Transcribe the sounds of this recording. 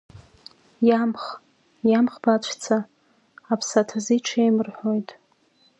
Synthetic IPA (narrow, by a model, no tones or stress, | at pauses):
jamχ | jamχbat͡ʃʷʰt͡sʰaː | pʰsatʰaziʈ͡ʂʰejmɨrħojtʼ